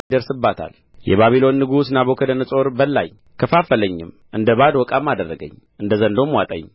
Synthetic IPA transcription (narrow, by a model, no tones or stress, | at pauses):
d̪əɾsɨbːat̪ʰa̰l | jɛ̰βaβilo̞nːɨɡusnaβokʰəd̪ənəsʼo̞ɾbəlːa̰j | kʰəfafələɲːɪ̰m | ʔɨnd̪əβad̪wɔkʼamːad̪ərːəɡə̰ɲː | ʔɨnd̪əzənd̪omwat̪ʼə̰ɲː